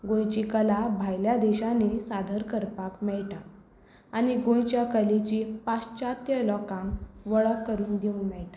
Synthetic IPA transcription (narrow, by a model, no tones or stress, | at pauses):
ɡõjt͡ɕikəlabʱajljad̪ɛɕanesad̪ʱəɾkəɾpakmɛɭʈaː | ñiɡõjt͡ɕjakəlit͡ɕipast͡ɕat̪jəlɔkãŋʋəɭəkːəɾuːnd̪iunmɛɭʈa